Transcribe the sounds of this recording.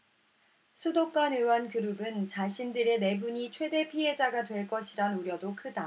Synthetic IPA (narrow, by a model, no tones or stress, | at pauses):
sʰudok͈anɯwankuɾubɯnt͡ɕaɕʰindɯɾe̞ne̞buɲit͡ɕʰwe̞de̞pʰiɦe̞d͡ʑaɡatwe̞ɭk͈ʌɕʰiɾanuɾjʌdokʰɯda